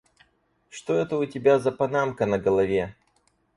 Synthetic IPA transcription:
ʂt̪oɛt̪əʊtʲɪbʲazɐpɐnamkənəɡəlˠɐvʲe

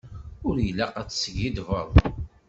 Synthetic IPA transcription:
ʊɾjəlːæqat͡sːsəɡid̪vəðˤ

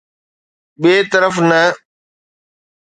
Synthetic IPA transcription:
ɓeːt̪əɾəfnɐ

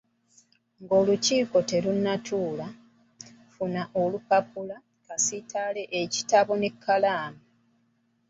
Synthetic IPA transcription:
ŋɡo̞ːluciːko̞te̞lunːatʰuːla | funaʔo̞lupapula | kasitʰale̞ʔeci̥taβo̞ne̞kʰːalaːma

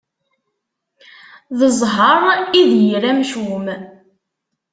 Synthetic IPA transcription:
ðəzˤɦəɾˤiðjɾæmʃum

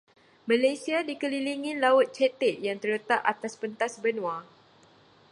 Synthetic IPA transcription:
mãlajsiadikəliliŋilaʊt̪̚t͡ʃɛt̪ɪʔ̪̚jaŋt̪ərɾlət̪aʔat̪aspənt̪asbənw̃a

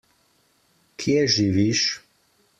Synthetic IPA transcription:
kʰjɛʒiʋiʃ

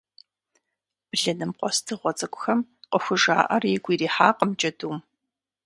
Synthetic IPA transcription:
b̥ɨɮɐnɨmqʷɔstʰɨʁʷɔt͡sʼɐkʷʼʊxɐmqəxʷʊʒa̰ːʔɐrjɛɡʷʼiːɾiːħaːqəmt͡ʃɐduːm

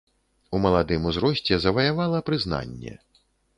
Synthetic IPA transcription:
umɐlˠad̪ɨmuzɾɔsʲt͡sʲɛzɐvɐjavalˠɐpɾɨzna̰nʲːɛ̰

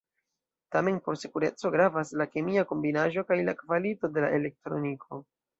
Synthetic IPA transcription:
tame̞npo̞ɾsikuɾe̞̰t͡so̞ɡɾavaslake̞miako̞mbinaʒo̞kajlakvalito̞de̞laʔe̞le̞k̚tɾo̞̰nikʰo̞

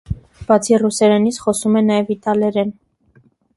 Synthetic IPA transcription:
b̥ɑt͡sʰirusɛɾɛnit͡sʰχɔsumɛnɑjɛvit̪ɑlɛɾɛn

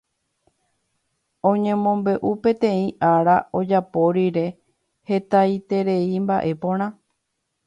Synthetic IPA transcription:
õ̞ɲẽ̞mõ̞mbe̞ʔupẽ̞t̪ẽ̞ĩʔaɾao̞d͡ʒapo̞ɾiɾe̞ | he̞t̪ajt̪e̞ɾe̞imba̰ʔe̞põ̞ɾ̃ã

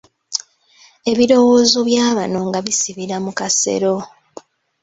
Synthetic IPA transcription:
e̞βiɾo̞wo̞ːzo̞βjaːβano̞ŋɡaβisiβiɾamukase̞̰ɾo̞

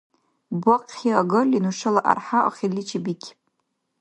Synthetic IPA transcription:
bʷaqʼχʲiaɡɨlʲinuʂɨlaʔa̰rħaʔa̰χʲilit͡ʃʰibikʲʰ

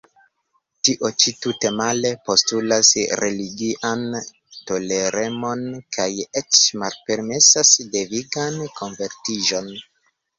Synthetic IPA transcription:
tiʔo̞t͡ʃitute̞male̞po̞stulasɾe̞liɡiʔan | to̞le̞ɾe̞mo̞nkʰajet͡ʃmalpe̞ɾme̞sasde̞viɡankʰo̞ɱve̞ɾtiʒo̞n

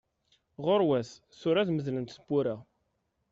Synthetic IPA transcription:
ʁoɾwæθ | θʊɾæðməðlənt̪səbːʊɾa

